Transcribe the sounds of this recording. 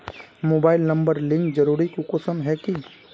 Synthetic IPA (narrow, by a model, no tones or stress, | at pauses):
moːbaːɪlnɐ̃mbəɾlɪ̃ŋkd͡ʒɐɾuːɾikukosəmɦɛki